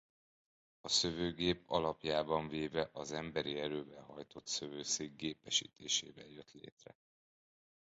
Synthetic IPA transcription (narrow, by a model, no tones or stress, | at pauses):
ɒsøvøːɡeːpɒlɒpjaːbɒɱveːvɛʔɒzɛmbɛɾiɛɾøːvɛlɦɒjt̪o̞t̪søvøːseːɡɡeːpɛʃḭːt̪eːʃḛːvɛljøt̪lḛːt̪rɛ̰